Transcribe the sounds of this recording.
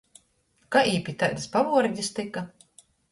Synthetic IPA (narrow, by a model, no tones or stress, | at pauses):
kaʔiːpʲit̪ajd̪spavuɔɾɟist̪ika